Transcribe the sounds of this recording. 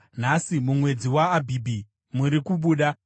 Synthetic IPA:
n̤asimumwe̞d͡ziwaːbʱibʱi | muɾikuɓuːɗa

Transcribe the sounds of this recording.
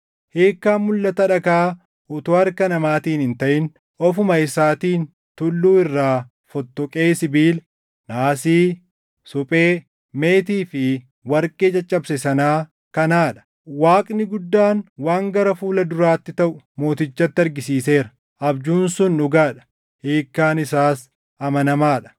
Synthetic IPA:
he̞ːkːaːnmʊlːɐt̪ɐᶑɐkaː | ʔʊt̪oːɐɾkɐnɐmaːt̪iːnɪnt̪ɐʔɪn | ʔɔfʊmɐɪsaːt̪iːn | t̪ʊlːuːɪrːaː | fɔt̪ːɔkʼeːsɪbiːl | naːsiː | sʊpʼeː | me̞ːt̪iːfɪ | wɐɾkʼe̞ːt͡ʃʼɐt͡ʃʼːɐbsɛsɐnaː | kɐnaːᶑɐ̥ | waːkʼnɪɡʊd̪ːaːnwaːŋɡɐɾɐfuːlɐd̪ʊɾaːt̪ːɪt̪ɐʔʊ | mo̞ːt̪ɪt͡ʃːɐt̪ːɪɐɾɡɪsiːse̞ːɾɐ̥ | ʔɐbd͡ʒuːnsʊnʊɡaːᶑɐ̥ | heːkːaːnɪsaːs | ɐmɐnɐmaːᶑɐ̥

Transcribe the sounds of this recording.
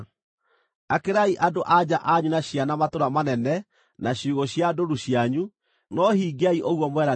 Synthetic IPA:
akeɾaiʔadoʔad͡ʑaʔaɲunaɕjanamatoɾamanɛnɛ | naɕuɣoɕjadoɾuɕjaɲu | nɔhiːɡeaiʔoɣwɔmwɛɾa

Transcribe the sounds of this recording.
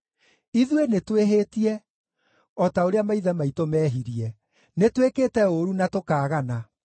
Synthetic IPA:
iðwenetweɦeːtiɛ | ɔtaoɾeamaiðɛmaitomɛːɦiɾiɛ | netwekeːtɛoɾunatokaːɣana

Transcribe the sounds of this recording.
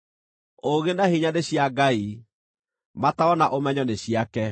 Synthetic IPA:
oɣenahiɲaneɕjaɡai | mataɔnaʔomɛɲɔneɕiakɛ

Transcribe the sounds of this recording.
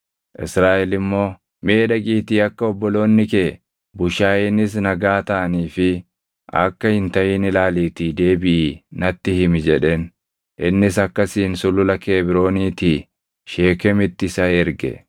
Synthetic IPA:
ʔɪsɾaːʔɛlɪmːo̞ː | me̞ːᶑɐɡiːt̪iːɐkːɐɔbːɔlo̞ːnːɪke | bʊʃaːjenːɪs̬nɐɡaːt̪ɐʔɐniːfɪ | ʔɐ̰kːɐhɪnt̪ɐʔɪːnɪlaːliːt̪iːd̪e̞ːbɪʔɪːnɐt̪ːɪhɪmɪd͡ʒɛᶑen | ʔɪnːɪs̬ɐkːɐsiːnsʊlʊlɐke̞ːbɪɾo̞ːniːt̪i | ʃeːkɛmɪt̪ːɪsɐɛɾɡɛ̰

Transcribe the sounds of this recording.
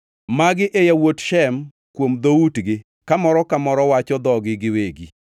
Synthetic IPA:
maɡɪʔejawotʃɛm | kwomd̪outɡɪ | kamɔɾɔkamɔɾɔwat͡ʃɔd̪ɔɡɪɡɪweɡi

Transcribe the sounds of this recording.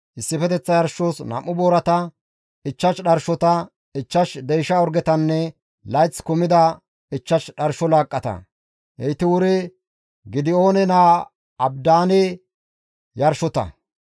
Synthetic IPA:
ʔɪsːɪfɛt̪ɛt͡sːɐjɐɾʃoːsnɐ̰mʔːʊboːɾɐt̪ɐ | ɪt͡ʃːɐʃɗɐɾʃɔt̪ɐ | ɪt͡ʃːɐʃd̪ɛjʃɐɔɾɡɛt̪ɐnːɛ | lɐjt͡sːkʊmɪd̪ɐ | ɪt͡ʃːɐʃɗɐɾʃɔlaːkʼːɐt̪ɐ̰ | ʔɛjt̪ɪwʊɾɪ | ɡɪd̪ɪo̞ːnɛnaː | ɐbd̪aːnɪ | jɐɾʃɔt̪ɐ̰

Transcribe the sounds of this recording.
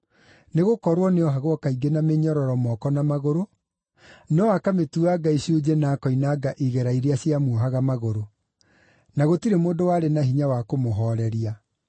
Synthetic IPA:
neɣokɔɾwɔneɔɦaɣwɔkaiɡenameɲɔɾɔɾɔmɔkɔnamaɣoɾo | neɔwakametuaɡaiɕjod͡ʑenaːkɔinaːɡaʔiɣɛɾaiɾiaɕjamuɦaɣamaɣoɾo | naɣotiɾemoːndowaːɾenaɦiɲawakomoɦɔɾɛɾia

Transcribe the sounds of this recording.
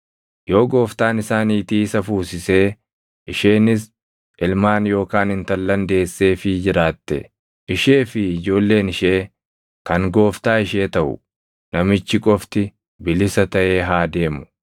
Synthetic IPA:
jo̞ːɡo̞ːft̪aːnɪsaːniːt̪iːɪsɐfuːsɪse̞ː | ʔɪʃeːnɪs | ʔɪlmaːnjo̞ːkaːnhɪnt̪ɐlːɐnd̪e̞ːsːe̞ːfɪd͡ʒɪɾaːt̪ːɛ̰ | ʔɪʃe̞ːfɪɪd͡ʒo̞ːlːe̞ːnɪʃe̞ː | kɐŋɡo̞ːft̪aːɪʃe̞ːt̪ɐʔʊ̰ | nɐmɪt͡ʃːɪkʼɔft̪ɪ | bɪlɪsɐt̪ɐʔeːɦaːd̪e̞ːmʊ̥

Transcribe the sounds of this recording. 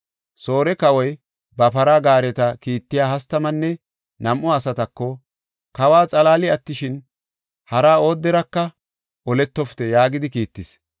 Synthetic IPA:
so̞ːɾɛkɐwɔj | bɐpɐɾaːɡaːɾɛt̪ɐkiːt̪ːɪjaːhɐst̪ːɐmɐnːɛ | nɐmʔɔɐsɐt̪ɐkːɔ | kɐwaːt͡sʼɐlaːlɪɐt̪ːɪʃɪn | hɐɾaːo̞ːd̪ːɛɾɐkːɐ | ʔɔlɛt̪ːɔft̪ɛjaːɡɪd̪ɪkiːt̪ːɪs

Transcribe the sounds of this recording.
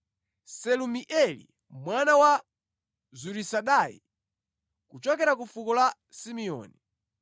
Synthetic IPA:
sɛlumiʔɛlḭ | mwanawa | zuɾisaɗajḭ | kut͡ʃɔkɛɾakufukɔla | simiɔ̰ːni

